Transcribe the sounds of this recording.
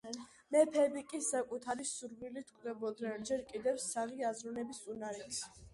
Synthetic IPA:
mɛpʰɛbikʼisakʼut̪ʰaɾisuɾvilit̪ʰkʷʼvd̪ɛbɔd̪nɛnd͡ʒɛɾkʼid̪ɛfsaʁiazɾɔnɛbisunaɾit̪ʰ

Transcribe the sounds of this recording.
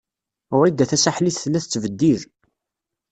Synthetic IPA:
ʊɾid̪æθæsaħliθθlːæθət͡sːvəd̪ːið

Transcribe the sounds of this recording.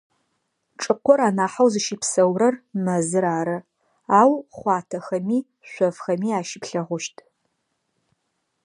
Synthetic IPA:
ʈ͡ʂʼɨqʷɔɾaːnaːħawzɨʃɪpsɐwɾɐrmɐzɨɾaːɾɐ | aːwχʷɑːtʰɐxɐmiː | ɕʷɔvxɐmiːaːʃɪpɬɐʁʷʊʃtʰʼ

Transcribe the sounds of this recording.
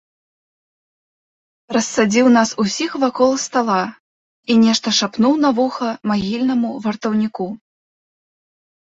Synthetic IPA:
ɾɐsːad͡zʲiwnasusʲixvakɔlˠst̪alˠa | inʲɛʂt̪ɐʂapnuwnavuxɐmaɣʲilʲnɐmuvɐrt̪ɐwnʲiku

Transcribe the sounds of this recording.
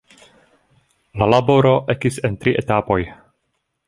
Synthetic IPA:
lalabo̞ɾo̞ʔekise̞ntɾiʔetapo̞j

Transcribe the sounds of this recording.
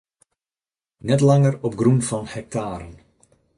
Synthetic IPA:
nɛtlɑŋərɔp̚ɡrunvɑnhɛk̚taːɾən

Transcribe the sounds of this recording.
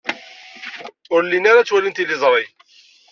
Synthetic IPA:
ʊɾlːinaɾat͡sːwælint̪ilɪzˤɾˤi

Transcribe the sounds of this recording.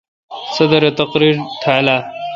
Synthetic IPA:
sɐd̪ɐɾet̪ɐqɾiɾt̪ʰala

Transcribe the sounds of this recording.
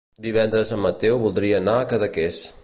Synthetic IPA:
d̪iβ̞ɛnd̪ɾəzəmːət̪ɛwβulˠd̪ɾiəːnaəkəðəkes

